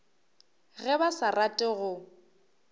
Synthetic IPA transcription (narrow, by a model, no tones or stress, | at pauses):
ɣɛbasaratʼɪɣʊ